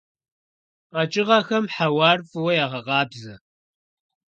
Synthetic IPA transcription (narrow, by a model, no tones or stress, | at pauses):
qɑt͡ʃʼɪʁɐxɐmħawɑːrfɨwɐjaːʁɐʁɑːbzɐ